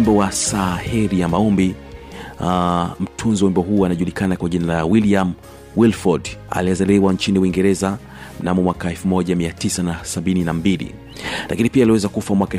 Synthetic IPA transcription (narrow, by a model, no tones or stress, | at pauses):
mbɔwasahɛɾijamaɔmbi | m̩tʰunzwimbɔɦuːanaʄulikanakwaʄinalawiliam | wilfɔda̰liazalɛwaɲt͡ʃiniwiŋɡɛɾɛza | m̩namɔmwakaɛlfumɔʄamiatisanasaɓininambilḭ | lʔakinipialiwɛzakufamwakaɛ